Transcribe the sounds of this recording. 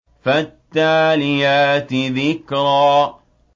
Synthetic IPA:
fat̪ːaːlɪjaːt̪ɪðɪkɾɑː

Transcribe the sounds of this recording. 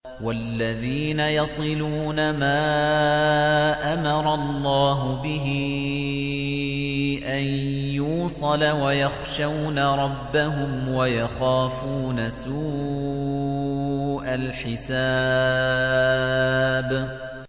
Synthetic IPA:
walːaðiːnajɑsˤɨluːnamaː | ʔamɑɾˤɑlˤːɑːɦʊbɪɦɪ | ʔanjuːsˤɑlawajɑxʃawnaɾˤɑbːaɦʊmwajaxaːfuːnasuː | ʔalħɪsaː | b

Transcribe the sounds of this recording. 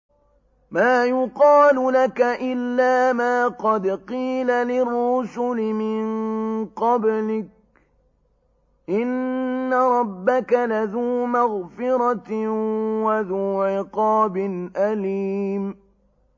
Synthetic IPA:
maːjʊqɑːlʊlakaʔɪlːaːmaːqɑd̪qiːlalɪrːʊsʊlɪmɪnqɑblɪk̚ | ʔɪnːaɾˤɑbːakalaðuːmaɣfɪɾɑt̪ | waðuːʕɪqɑːbɪnʔaliːm

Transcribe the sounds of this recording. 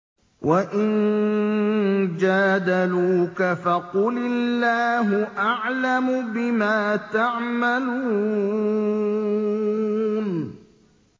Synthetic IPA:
wʔaʔɪn | d͡ʒaːd̪aluːkafaqʊlɪlːaːɦʊʔaʕlamʊbɪmaːt̪aʕmaluː | n

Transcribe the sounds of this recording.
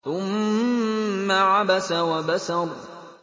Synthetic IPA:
θʊm | aʕabasawabasau

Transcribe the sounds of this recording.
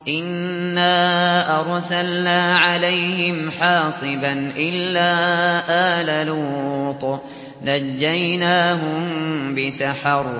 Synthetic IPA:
ʔɪnː | aːʔɑɾˤsalnaːʕalajhɪmħɑːsˤɨbanʔɪlːaːʔaːlaluːt̪ | nad͡ʒːajnaːɦʊmbɪsaħɑɾˤ

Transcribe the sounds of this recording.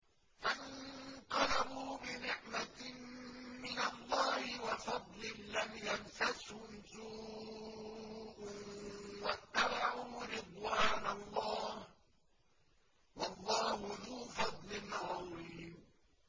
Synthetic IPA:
fant̪ɑlabuːbɪnɪʕma | mɪnalˤːɑːhɪwɑfɑd̪ˤlɪːamjanfashʊnsuː | ʔʊnwat̪ːabaʕuːɾɪd̪ˤwaːnalˤːɑːh | wɑlˤːɑːhʊðuːfɑd̪ˤlɪnɣawɪiːm

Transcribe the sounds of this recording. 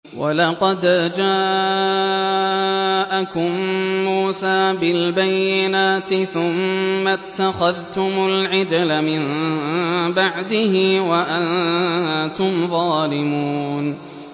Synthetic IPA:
wʔa̰lɑqɑd̪d͡ʒaː | ʔakʊmːuːsaːbɪlbajːɪnaːt̪ɪθʊmːat̪ːaxaðt̪ʊmʊlʕɪd͡ʒalamɪn | baʕd̪ɪhɪwaʔan | t̪ʊmðˤɑːlɪmuːn

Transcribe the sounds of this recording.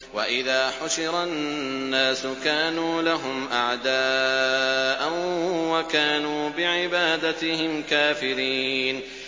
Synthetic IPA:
waʔɪðaːħʊʃɪɾannːaːsʊkaːnuːlaɦʊmʔaʕd̪aː | ʔanwakaːnuːbɪʕɪbaːd̪at̪ɪhɪmkaːfɪɾiːn

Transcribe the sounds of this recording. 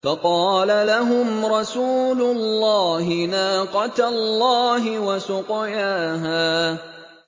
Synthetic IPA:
fɑqɑːlalaɦʊmɾˤɑsuːlʊlːɑːhɪnaːqɑt̪lːɑːɦɪwasʊqɪjaːɦaː

